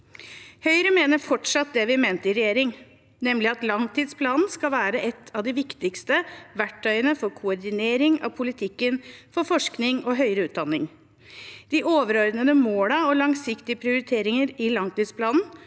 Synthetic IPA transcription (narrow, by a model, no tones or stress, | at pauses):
hœʏɾəmeːnəɾfɔʈʂɑt̪̚d̪ɛʋɪmeːnt̪əɪɾɛjeːɾɪŋ | nɛmlɪɑt̪lɑŋt̪ʰiːd̪spʰlɑːnn̩skɑlʋæːɾəʔɛt̪ʰːɑʋd̪ɪʋɪkt̪ɪkst̪əʋæʈʰːœʏənəfɔɾkʰʊɔɾd̪ɪneːɾɪŋɑ̰ʋpʰʊlɪt̪ʰɪkːənfɔɾfɔʂknɪŋɔɦœʏɾəʉːt̪̚d̪ɑnːɪŋ | d̪̥ɪʔoːʋəɾɔɾd̪nəd̪əmoːlɑɔlɑŋsɪkt̪ɪəpʰɾɪʊɾɪt̪ʰeːɾɪŋəɾɪlɑŋt̪iːd̪spʰlɑːnn̩